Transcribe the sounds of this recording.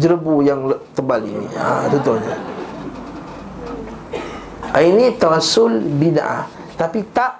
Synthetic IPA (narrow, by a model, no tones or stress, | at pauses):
d͡ʒəɾəbujaŋət̪əbalḭnḭa̰t̪ɔnt̪ʊhɲa | ainit̪əɾasʊlbina̰ʔa̰ | t̪apit̪aʔ